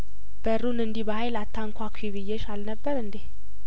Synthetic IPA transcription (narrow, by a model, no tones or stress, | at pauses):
b̥əɾunɨnd̪ibəhajlat̪ʰːaŋkʷʰakʷʰwiβɨjːɛʃalnəbːəɾɨnd̪e